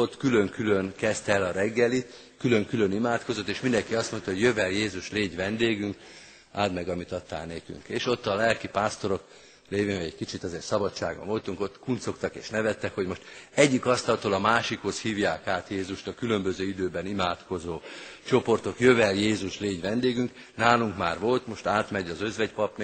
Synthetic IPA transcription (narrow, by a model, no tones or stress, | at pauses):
ot̪kyløŋkyløŋkɛst̪ɛlɒɾɛɡːɛli | kyløŋkylønimaːt̪ko̞zo̞t̪ːeːʃmind̪ɛŋkiɒst̪mo̞nt̪ɒɦo̞ɟjøvɛljeːzuʃleːɟʋɛnd̪eːɡyŋk | aːd̪mɛɡɒmit̪ɒt̪ːa̰ːlneːky̰ŋkeːʃo̞t̪ːɒlɛlkipaːst̪o̞ɾo̞k | leːveːɟɛckit͡ʃit̪ɒzeːt̪sɒbɒt͡ʃːa̰ːɡbɒ̰ɱvo̞lt̪uŋko̞t̪ːkunt̪so̞kt̪ɒkḛːʃnɛvɛt̪ːɛkho̞ɟmo̞ʃt̪ɛɟːikɒst̪ɒlt̪oːlɒmaːʃikho̞shiːvjaːkaːt̪jeːzuʃt̪ɒkylømbøzøːid̪øːbɛnimaːt̪ko̞zoːt͡ʃo̞po̞rt̪o̞kjøvɛljeːzuʃleːɟʋɛnd̪eːɡyŋk | naːluŋkmaːrʋo̞lt̪mo̞ʃt̪aːt̪mɛɟɒzøzvɛɟpɒpn